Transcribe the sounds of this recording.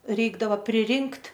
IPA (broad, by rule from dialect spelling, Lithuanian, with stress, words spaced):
ˈrʲɛɪɡdɐʋɐ pʲrʲɪˈrʲɪŋktʲ